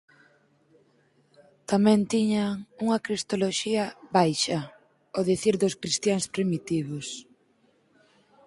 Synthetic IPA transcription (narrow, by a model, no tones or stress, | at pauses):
t̪amɛ̃nt̪iɲaŋuŋɐkɾist̪oloʃiɐβajʃɐ | oðiθiɾðʊskɾist̪jaŋspɾimit̪iβʊs